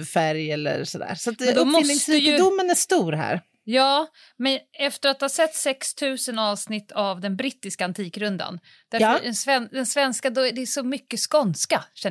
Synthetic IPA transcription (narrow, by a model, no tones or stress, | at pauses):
fæɾjɛlːə̰ɾsɔd̪æ̰ːɾsat̪d̪ɔmɔɪlsɪŋsijd̪ʊmːənæʂt̪uːɾɦæ̰ːɾ | jɑː | mɛnɛft̪əɾat̪̚haːsɛt̪ːsɛkst̪ʰʉ̟ːsənɑːvsnɪt̪ʰːavd̪ɛnbɾɪt̪ːɪskaant̪ʰiːkɾɵnd̪a̰n | d̪̥æɾɛnsvɛnd̪ɛnsvɛnskad̪ɔɖ̪ɛːʂɔmʏkːəskɔnskaɕɛ